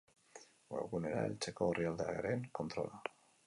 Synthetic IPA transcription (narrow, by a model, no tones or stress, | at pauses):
ɡo̰ɣune̞ɾa̰e̞̰lt͡se̞ko̞eriald̪eaɣeɾeŋko̞nt̪ɾo̞̰la